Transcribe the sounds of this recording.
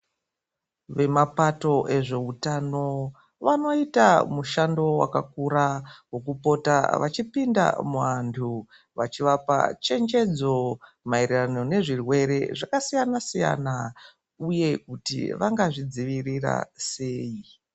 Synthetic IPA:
ʋe̞mapato̞ʔe̞ʐe̞utano̞ | ʋano̞ita̰muʃando̞wa̰kakuɾawo̞kupo̞ta̰ʋa̰t͡ʃipinda̰muʋantʰu | ʋat͡ʃiʋapa̰t͡ʃe̞nd͡ʒe̞d͡zo̞ | mairirano̞ne̞ʐirwe̞ɾe̞ʐakasijanasija̰na | uje̞kutḭʋaŋɡaʐid͡ziʋirira̰se̞ːji

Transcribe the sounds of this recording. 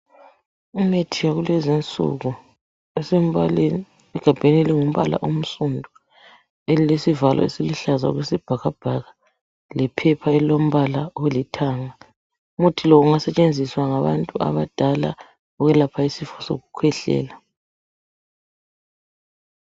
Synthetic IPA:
umetʰijaɣulwɛzint͡sʼṵɣu | esem̩βalen | ɛɡ̥ʱab̥ʱeneliŋum̩βa̰lʔa̰ʔum̩sundʱu | elilesivalʔɔ̰esiliɬaza̰ɣwesib̥ʱaɣab̥ʱaɣa | lɛpʰɛpʰaɛlom̩βalawelitʰaːŋa | mutʰilɔɣuŋasɛt͡ʃʼend͡zʱiswaŋaβa̰ntʼua̰βad̥ʱala̰ | uɣɛlapʰaisifɔso̰ɣukʰwɛɬɛ̰ːla

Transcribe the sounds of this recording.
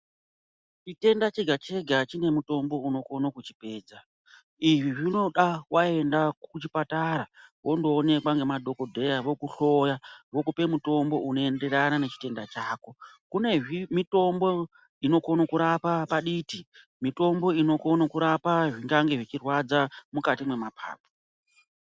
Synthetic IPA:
t͡ʃite̞ndat͡ʃeɡʱat͡ʃe̞ɡʱat͡ʃine̞muto̞mbo̞uno̞konokut͡ʃi̥pe̞ːd͡za | iʐiʐino̞ɗawae̞ndakut͡ʃipataɾawo̞ndo̞ːne̞kwaŋɡe̞madʱo̞ko̞dʱe̞jaʋo̞kuɬo̞jaʋo̞kupe̞muto̞mbo̞ʔuno̞ende̞ɾanane̞t͡ʃi̥te̞ndat͡ʃaːko̞ | kune̞ʐimito̞mbo̞ | ino̞konokuɾapapaɗiti | mito̞mbo̞ino̞konokuɾapaʐiŋɡaŋɡe̞ʐit͡ʃirwad͡zamukatimwe̞mapʰa̰ːpo̥

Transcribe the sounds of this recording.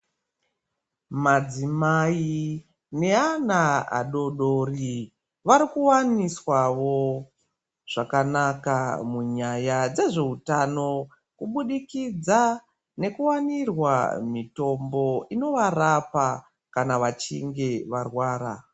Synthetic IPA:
mad͡zimai | ne̞anaa̰ɗo̞ɗori | ʋaɾikuwaniswaʋo̞ | ʐ̥akanakamuɲajad͡ze̞ʐe̞utano̞ | kuɓuɗikid͡za | ne̞kuwanirwa̰mito̞mbo̞ino̞ʋarapa | kanaʋat͡ʃḭŋɡe̞ʋarwaːɾa

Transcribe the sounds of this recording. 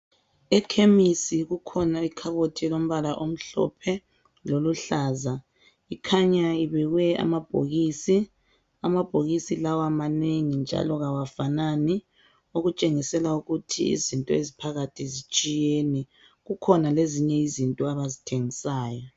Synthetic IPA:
ɛkʰemisiɣukʰɔnaikʰaβotʰɛlom̩βalaʔom̩ɬɔ̰pʰɛ | loluɬaza | ikʰaɲaiβɛɣwɛa̰mab̥ʱo̰ɣisi | amab̥ʱoɣisilawamaneŋind͡ʒʱa̰lɔɣawafanani | oɣut͡ʃʼeŋisɛlauɣutʰḭḭzintʼɔezipʰaɣatʰizit͡ʃʼijeːnɛ | ɣukʰɔnaleziɲɛizintʼɔaβazitʰeŋisaːjɔ

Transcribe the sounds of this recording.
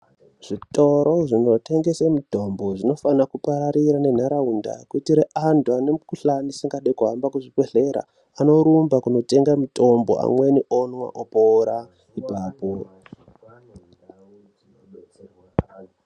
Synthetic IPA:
ʐ̥itʼo̞ɾoʐino̞tʰe̞ŋɡe̞samuto̞mbo̞ʐino̞fanakupaɾaɾiɾane̞n̤aɾaunda̰kuitiɾeʔandwanemkuɬanisiŋɡaɗekuɦambakuʐipeɮe̞ɾa̰ | ano̞ɾumbakuno̞te̞ŋɡamutʰo̞mbo̰a̰mwe̞niʔonwa̰ʔopoɾa | ibʱaːpo

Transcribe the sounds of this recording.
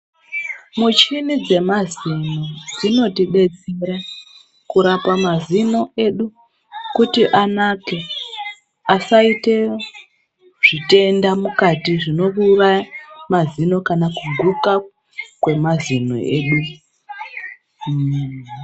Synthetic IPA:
mut͡ʃinid͡ze̞mazino̞d͡zino̞tiɓe̞t͡seɾa | kuɾapamazino̞e̞ɗu | kutiʔanake̞ | asaite̞ | ʐ̥ite̞ndamukatiʐino̞rurajamazino̞kanakuɡʱuka | kwe̞mazino̰ʔḛːɗu

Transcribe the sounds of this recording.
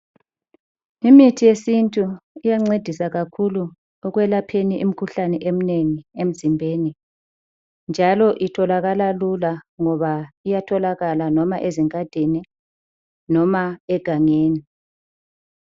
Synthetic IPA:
imitʰijesintʼuijaŋ͡ǀed̥ʱisaɣakʰulu | ɔɣwɛlapʰeniʔim̩kʰuɬanɛʔem̩neŋiem̩zimbʱeːni | nd͡ʒʱalɔʔitʰɔlaɣalalulaŋɔβaijatʰɔlaɣalanɔmaʔeziŋʱʼad̥ʱeni | nɔmaɛɡ̥ʱaŋeːni

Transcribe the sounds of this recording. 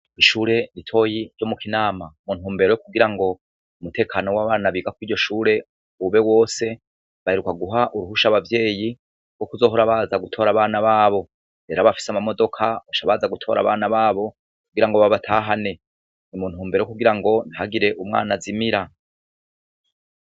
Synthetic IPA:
iʃuːɾe̞nitʰo̞ːji̥ɟo̞mukinaːmamun̥huːmbe̞ɾo̞jok̚uɡiɾaŋɡo̞ | umute̞ːkʰaːno̞waβaːnaβiːɡakwiːɾɟo̞ʃuːɾe̞ | βe̞wo̞ːse̞ | βaheɾukaɡuɦaʔuɾuhuʃaβavje̞ːji | ɡ̥o̞kuzo̞ːɦoɾaβaːzaɡutʰo̞ːɾaβaːnaβaːβo̞ | ɾe̞ːɾaβafi̥samamo̞do̞kʰaβaʃaβaːzaɡutʰo̞̰ɾa̰βa̰ːnaβaːβo̞ | kkuɡiɾaŋɡoβaβatʰaːɦane̞ | nimunhuːmbe̞ɾjkuɡiɾaŋɡo̞nhaɡiɾe̞ʔumŋa̰ːnazimiɾa

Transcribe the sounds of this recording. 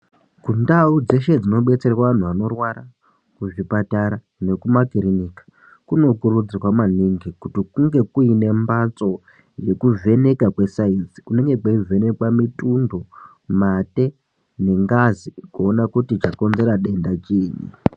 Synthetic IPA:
kundaud͡ze̞ʃe̞d͡zino̞ɓe̞t͡se̞rrwaʋan̤uʋano̞rwaɾa | kuʐipataɾa | ne̞kumakirinikḁ | kuno̞kurud͡zirwamaniŋɡikutikuŋɡe̞kuine̞mbat͡so̞ | je̞kuve̞ne̞kakwe̞sainsi̥une̞ŋɡe̞kweuve̞ne̞kwamitundo̞ | mate̞ | ne̞ŋɡazikoːnakutit͡ʃako̞nze̞ɾaɗe̞ndat͡ʃiːɲḭ

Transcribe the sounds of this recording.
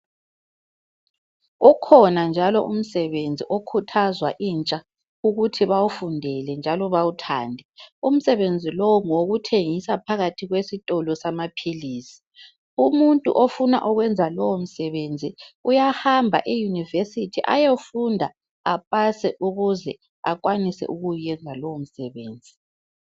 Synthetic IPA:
ukʰɔnand͡ʒʱalɔ̰ʔum̩sɛβend͡zʱiʔokʰutʰazwa̰ʔiːnt͡ʃʼa | uɣutʰiβawufundʱɛlɛnd͡ʒʱalɔβawutʰa̰ːndʱɛum̩sɛβend͡zʱilɔŋoɣutʰeŋisapʰaɣatʰiɣwesitʼɔlɔsamapʰiliːsi̥ | umuntʼṵʔofuna̰ʔɔɣwɛnd͡zʱalɔwom̩sɛβend͡zʱiujahambʱa̰ʔijunivesitʰiʔa̰jofundʱa | apʼasɛʔuɣuzɛ | akʼwanisɛ̰ʔuɣujjɛnd͡zʱalɔm̩sɛβeːnd͡zʱi

